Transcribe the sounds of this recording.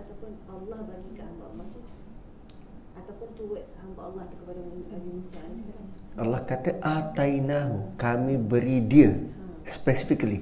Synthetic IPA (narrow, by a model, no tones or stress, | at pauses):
at̪awpʊnalːahbaɡikəhambaalːɑht̪u | at̪awpʊnt̪uwət̪̚shambaʔɑlːɑhd̪ukəpadaaɡimusanisaalːɑhkat̪əʔat̪ainaɦukamĩbəɾidiə | spɛsifikəli